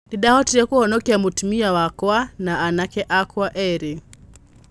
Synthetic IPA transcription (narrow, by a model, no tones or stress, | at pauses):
diɗahɔtiɾɛkuhɔnɔkɛamutumiawakwanaːnakɛʔakwaʔɛɾi